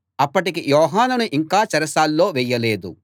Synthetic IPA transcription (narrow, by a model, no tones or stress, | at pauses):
ɐpːɐʈikijɔːɦaːnunuʔiŋkaːt͡ʃɐɾɐsaːlːo̞ːʋɛjːɐleːd̪ṵ